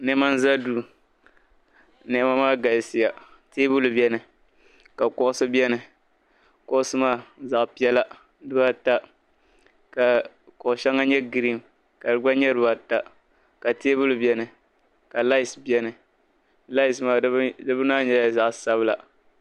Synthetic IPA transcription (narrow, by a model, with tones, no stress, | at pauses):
nɛ˦ma˦n˦za˦du˨ | nɛ˦ma˦maː˦ɡa˨jsɪ˨ja˨ | te˦bʊ˦lbɛ˦nɨ˨ | ka˨kɔ˦ʔʊ˦sɨ˦bɛ˦nɨ˨ | kɔ˦ʔʊ˦sɨ˦maː˦˨za˨ʔpi˦ɛ˦la˦ | dɨ˦ba˦ta˦ | ka˨ | kɔ˨ʊ˨ʃɛ˦ŋːa˦ɲɛ˦ɡi˨ɾi˦˨m | ka˨dɨ˨ɡ͡ba˦ɲɛ˦dɨ˦ba˦ta˦ | ka˨teː˦bʊ˦lbɛ˦nɨ˨ | ka˨la˦i˨sbjɛ˦nɨ˨ | la˦i˨smaː˦˨˦dɨ˦bɨ˦naː˦ɲɛ˦la˨za˨ʔsa˦bɨ˦la̰˨